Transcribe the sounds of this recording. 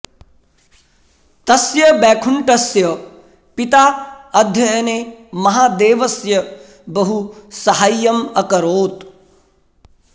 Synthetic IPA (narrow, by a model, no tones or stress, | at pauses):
t̪ɐsjɐbɛːkʰuɳʈɐsjɐ | pit̪aːɐd̪ʱjɐjɐneːmɐɦaːd̪eːʋɐsjɐ | bɐɦusɐɦajːɐmɐkɐɾoːt̪